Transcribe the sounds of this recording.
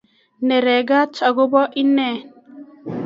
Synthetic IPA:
nɛ˨ɾɛ˨ɡa˦tʰɔ˨ɡʊ˦bɔ˦ʔi˦nɛ˦˨

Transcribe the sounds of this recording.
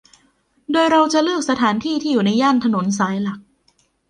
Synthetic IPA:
doː˧jɾa˧wt͡ɕa˨˩ʔlɯ˥˩ək̚sa˧t̪ʰaː˩˦nt̪ʰiː˥˩t̪ʰiː˥˩juː˨˩na˧jːaː˥˩nt̪ʰa˧no˩˦ns̬aː˩˦jla˨˩k̚

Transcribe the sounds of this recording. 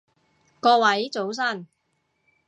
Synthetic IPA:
kɔː˧wɐ˨˥jt͡so˨˥ws̬ɐ˥˩n

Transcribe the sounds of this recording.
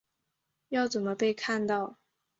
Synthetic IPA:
jɑ˥˩ʊt͡sə˨˩nmə˧˦pe˥˧ɪkʰa˥˧nt̪ɑ˥˩˨ʊ

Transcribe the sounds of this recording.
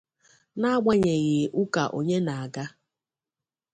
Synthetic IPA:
na˦ɡ͡ba˨ɲe˨ɣɪ˨ʔʊ˦ka˨ʔo̰˨ɲe˦na˨a˨ɡa˦

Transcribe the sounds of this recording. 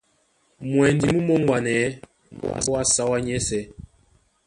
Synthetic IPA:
mwɛ˨n˦di˨mu˦mɔ˦ŋwa˨nɛ̰˨˦ | ɔ˦wa˦sa˦wa˦ɲɛ˦sɛ˨˦

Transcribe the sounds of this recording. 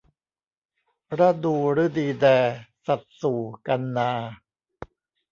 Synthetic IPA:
ɾa˦˥duː˧ɾɯː˦˥diː˧dɛː˧sa˨˩t̪̚suː˨˩ka˧nːaː˧

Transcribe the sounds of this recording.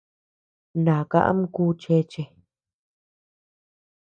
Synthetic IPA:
nã˨ka̰˦˧ʔa̰˦m˦kuː˦t͡ʃe˧˦t͡ʃe˧

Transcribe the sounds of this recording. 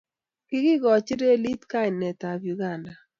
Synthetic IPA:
kɪ˦ɡɪ˦ɡɔ˨t͡ʃɪ˦ɾe˦li˦tka˦ɪ˨nɛ˨ta˨vju˨ɡa˦˨nda˨

